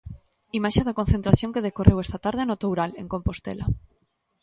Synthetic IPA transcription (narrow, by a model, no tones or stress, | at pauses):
imaʃeðɐkõn̟θent̪ɾaθjõŋkeðekorʔewɛst̪ɐt̪aɾðenot̪owɾaleŋkompost̪ḛlɐ